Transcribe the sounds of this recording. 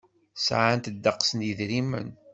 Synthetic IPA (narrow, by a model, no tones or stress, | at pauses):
sʕant̪d̪ːəqːsənjəðɾimːə̰n